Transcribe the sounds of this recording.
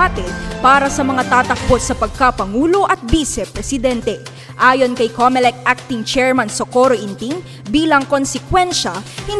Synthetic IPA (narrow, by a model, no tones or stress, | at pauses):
at̪ɪnpaːɾɐsɐmɐŋat̪aːt̪ɐk̚bo̞t̪̚sɐpɐɡ̚kapɐŋuːlo̞ʔɐt̪̚biːsɛpɾɛsɪd̪ɛnt̪ɛ | ʔaːjo̞nkɐjkomɛlɛk̪̚ʔak̚t̪ɪŋt͡ʃɛɹmɐnsɐkoɾoʔɪnt̪iŋ | biːlɐŋko̞nsɛkwɛnʃɐhɪn